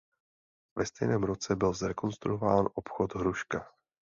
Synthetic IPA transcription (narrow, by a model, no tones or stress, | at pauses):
vɛst̪ɛjnɛːmɾo̞t͡sɛbɪlzɾɛko̞nst̪ɾuovaːnʔo̞pxo̞t̪ɦɾuʃka